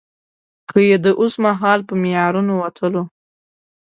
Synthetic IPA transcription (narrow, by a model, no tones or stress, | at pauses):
kʰəjed̪əʔosmaɦɑlpəmijɑɾunowat̪ʰəlo